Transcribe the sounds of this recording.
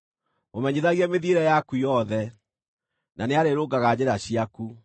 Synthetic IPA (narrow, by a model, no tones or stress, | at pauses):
omɛɲeðaɣiɛmeðieɾɛjakujɔðɛ | naneaɾeɾoɡaɣad͡ʑeɾaɕiaku